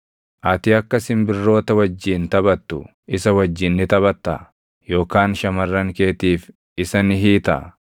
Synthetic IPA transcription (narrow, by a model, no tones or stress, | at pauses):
ʔɐt̪ɪɐkːɐsɪmbɪrːo̞ːt̪ɐwɐd͡ʒːiːnt̪ɐbɐt̪ːʊ | ɪsɐwɐd͡ʒːɪnːɪt̪ɐbɐt̪ːɐ̰ | jo̞ːkaːnʃɐmɐrːɐŋke̞ːt̪iːf | ɪsɐnɦiːt̪ɐ̰